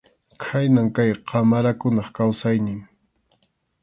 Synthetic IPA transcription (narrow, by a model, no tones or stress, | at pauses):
kʰajnaŋkajqɑmaɾakʊnɑχkawsajnɪŋ